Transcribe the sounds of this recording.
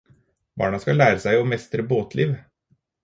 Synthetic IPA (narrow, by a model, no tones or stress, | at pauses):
bɑ̰ːɳɑskɑlæːɾəsæɪɔmɛst̪ɾəboːt̪ʰliːʋ